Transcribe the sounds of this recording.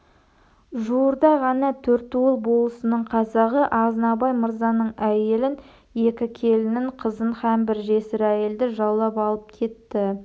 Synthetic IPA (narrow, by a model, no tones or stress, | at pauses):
ʒuwəɾd̪ɑʁɑnɑt̪ʰɵɾt̪uwlˠbo̞lˠəsənəɴqʰɑzɑʁəʔɑʁzənɑbɑjməɾzɑnəɴæje̞lɪn | je̞kʲɪkʲʰe̞lɪnɪɴqʰəzənχɑmbɪɾʒe̞sɪɾæje̞ld̪ɪʒɑwlˠɑpɑlˠəp̚kʲʰe̞t̪ːɪ